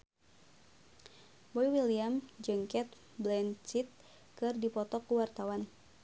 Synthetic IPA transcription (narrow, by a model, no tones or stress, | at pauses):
bɔjwiliamd͡ʒɨŋkɛt̪̚ | blɛnt͡ʃit̪̚ | kɨrdipɔt̪ɔkuwart̪awan